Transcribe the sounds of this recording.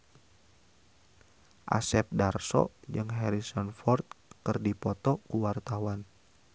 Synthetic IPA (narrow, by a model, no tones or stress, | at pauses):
ʔa̰sɛp̚darsɔ̰d͡ʒɨŋɦɛɾisɔnfɔrt̪̚kərdipɔt̪ɔkuwart̪awan